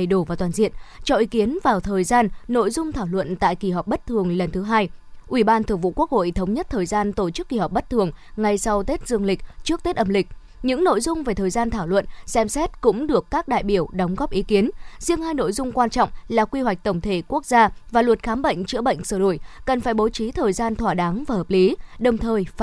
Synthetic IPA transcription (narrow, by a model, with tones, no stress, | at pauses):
jɗo˧˩vaː˨˩t̪waː˨˩nzḭ˧˨ənt͡ɕɔ˧ʔi˨˦ki˨˦ənvaː˨˩wt̪ʰəː˨˩jzaː˧nno̰˧˨jzʊ˧ŋ͡mt̪ʰaː˧˩wlwə̰˧˨nt̪a̰ː˧˨jki˧˩ɦɔ˨˩k͡p̚ɓə˦˥t̚t̪ʰɨ˨˩əŋlə˨˩nt̪ʰɨ˨˦ɦaː˧jʔwi˧˩ɓaː˧nt̪ʰɨ˨˩əŋvṵ˧˨ku˦˥ək̚ho̰˧˨t̪ʰə˨˦wŋ͡mɲə˦˥t̚t̪ʰəː˨˩jzaː˧nt̪o˧˩t͡ɕɨ˦˥kːi˧˩ɦɔ˨˩k͡p̚ɓə˦˥t̚t̪ʰɨ˨˩əŋŋa˧jsa˧wt̪e˦˥t̚zɨ˧əŋlï˨˩k̟̚t͡ɕɨ˦˥ək̚t̪e˦˥t̚ʔə˧˩mlï˨˩k̚ | ɲɨ̰˧˥ŋno̰˧˨jzʊ˧ŋ͡mve˨˩t̪ʰəː˨˩jzaː˧nt̪ʰaː˧˩wlwə̰˧˨nsɛ˧msɛ˦˥t̚kʊ̰˧˥ŋ͡mɗɨ˨˩əkːaː˦˥k̚ɗa̰ː˧˨jɓi˧˩əwɗɔ˨˦wŋ͡mɣɔ˦˥p̚ʔi˨˦ki˨˦ənzi˧əŋhaː˧jno̰˧˨jzʊ˧ŋ͡mkwaː˧nt͡ɕɔ̰˧˨wŋ͡mlaː˨˩kwi˧wa˨˩k̟̚t̪ə˧˩wŋ͡mt̪ʰe˧˩ku˦˥ək̚zaː˧vaː˨˩lwə˨˩t̚xaː˨˦mɓə̰˧˨jŋ̟t͡ɕɨ̰˧˥əɓə̰˧˨jŋ̟səː˧˩ɗo̰˧˩˨jkə˨˩nfaː˧˩jɓo˨˦t͡ɕi˨˦t̪ʰəː˨˩jzaː˧nt̪ʰwaː˧˩ɗaː˨˦ŋvaː˨˩həː˨˩p̚li˨˦ɗə˨˩wŋ͡mt̪ʰəː˨˩jf